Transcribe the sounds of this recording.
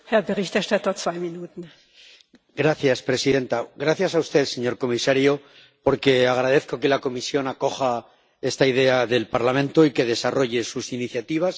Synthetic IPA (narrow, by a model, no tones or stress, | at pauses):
hɛɐbəʁɪçtɛɐʃtatɐt͡sv̥aɪminuːtn̩ | ɡɾaθjaspɾe̞siðe̞nt̪aɣɾaθjasaust̪e̞ðse̞ɲo̞ɾko̞misaɾjo̞ | po̞ɾke̞aɣɾaðe̞θko̞ke̞lako̞misjo̞nako̞xa | e̞st̪aiðe̞aðe̞lpaɾlamẽ̞nt̪o̞ike̞ðe̞saro̞ʝe̞susiniθjat̪iβ̞as